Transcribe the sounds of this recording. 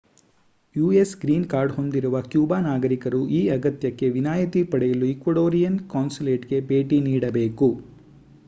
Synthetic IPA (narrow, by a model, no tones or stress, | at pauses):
juːesɡɾiːnkaːɾɖho̞nd̪iɾuʋɐkjuːbaːnaːɡɐɾikɐɾuʔiːɐɡɐt̪jɐkːe̞ʋinaːjɐt̪ipɐɽɛjɐluikʋɐɽoːɾijɐnkaːnsuleːʈɡe̞be̞ːʈiniːɽɐbe̞ːku